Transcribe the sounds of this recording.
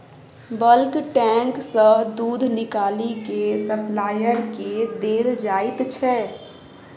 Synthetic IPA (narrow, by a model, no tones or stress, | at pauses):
bəlkʈɛ̃ːŋksəɦd̪uːd̪ʱnɪkaːlikesəplaːjəɾked̪eːɾd͡ʒaːɪt̪t͡ʃʰɛː